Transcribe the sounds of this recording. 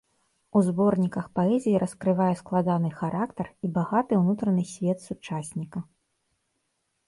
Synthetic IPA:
uzbɔrnʲikɐxpaɛzʲijiɾʔɐskɾɨvajɛsklˠad̪anɨxaɾʔakt̪ɐribaɣat̪ɨwnut̪ɾɐnɨsʲvʲɛt̪sut͡ʂasʲnʲikɐ

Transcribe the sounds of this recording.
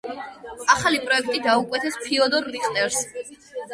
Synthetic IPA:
aχalipʼɾɔɛk̚ʰt̪ʼid̪aukʼwɛt̪ʰɛspʰiɔd̪ɔɾːiχʼt̪ʼɛɾs

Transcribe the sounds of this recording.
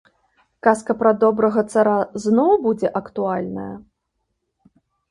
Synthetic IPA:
kaskɐpɾɐd̪ɔbɾɐɣɐt̪saɾaznɔwbud͡zʲɛʔɐkt̪ualʲnɐ̰jɐ̰

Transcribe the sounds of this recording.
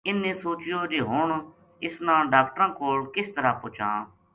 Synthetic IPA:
ɪnːẽːsoːt͡ʃɪjoːd͡ʒeːɦʊːɳ | ɪsnãːɖaːkʈɾãːkoːlkɪst̪əɾaːpʊt͡ʃã̰ː

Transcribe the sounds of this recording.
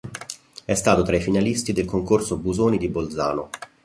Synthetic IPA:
ɛst̪aːt̪ot̪ɾaifinalist̪id̪elkoŋkorsobuzoːnid̪ibold̪za̰ːno

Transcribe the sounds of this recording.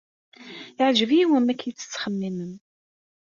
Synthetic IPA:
ɪʕʒəvjiwəmːækːjit͡sːə̥t͡sːχəmːimən

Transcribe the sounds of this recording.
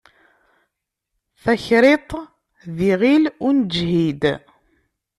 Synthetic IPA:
θæçɾet̪ˤ | ðiʁilʊnd͡ʒhid̪

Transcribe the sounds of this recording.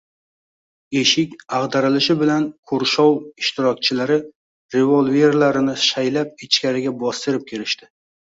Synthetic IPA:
e̞ʃɪkʲaʁd̪aɾɪlɪʃɪbɪlankʰʊɾʃɒwɪʃt̪ɪɾɒk̚ʲt͡ʃʰɪlaɾɪ | ɾe̞volˠve̞ɾlaɾɪnɪʃajlap̚ɪt͡ʃkʲaɾɪɡʲabɒst̪ɪɾɪp̚kʲʰe̞ɾɪʃt̪ɪ̥

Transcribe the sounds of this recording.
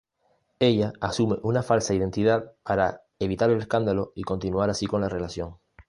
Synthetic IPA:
e̞ʎaːsume̞ʔunafalsaið̞e̞nt̪iðaðpaɾa | e̞βit̪aɾe̞le̞skand̪alo̞iko̞nt̪inuaɾasiko̞nlare̞lasjo̞ŋ

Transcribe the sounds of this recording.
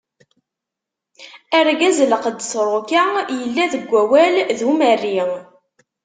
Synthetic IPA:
æɾɡæzləqəd̪ːəsɾˤokajəlːæðəɡʷːæwælðumərːi

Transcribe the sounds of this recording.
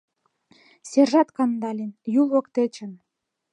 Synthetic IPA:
serʒɑt̪kɑnd̪ɑlʲenjulˠɤ̆kt̪et͡ɕə̆n

